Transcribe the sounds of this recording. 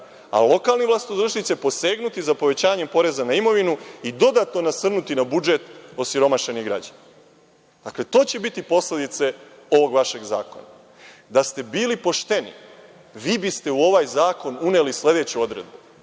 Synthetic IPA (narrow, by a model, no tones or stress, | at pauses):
a̰lo̞kaːlˠniʋlˠasit̪od̪ɾuʃnit̪sepo̞se̞ːɡnut̪izapo̞ʋe̞t͡ɕaːɲe̞mpo̞ɾe̞zanaimo̞ʋinuid̪o̞d̪at̪no̞nasr̩nut̪inabud͡ʒe̞t̪o̞siɾo̞maʃe̞niɡɾa̰d͡ʑana | d̪̥akle̞t̪o̞ːt͡ɕe̞bit̪ipo̞sle̞d̪it̪se̞ | o̞ʋo̞ɡʋaʃe̞ɡza̰ːko̞̰na̰ | d̪ast̪e̞biːlipo̞ʃt̪e̞nḭ | ʋiːbist̪e̞uo̞ʋajzaːko̞nune̞lisle̞d̪e̞t͡ɕuo̞d̪ɾe̞̰d̪̚bu